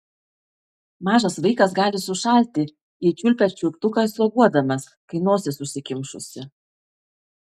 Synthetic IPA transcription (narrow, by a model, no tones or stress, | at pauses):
mɑːʒɐsʋɐɪkɐsɡɑːlʲɪsʊʃɐˑlʲt̪ʲɪ | ɪt͡ʃʲʊlʲpʲɛt͡ʃʲʊpt̪ʊkɑˑɪsoːɡuɔd̪ɐmɐskɐɪnoːsʲɪsʊsʲɪkʲɪmʃʊsʲɪ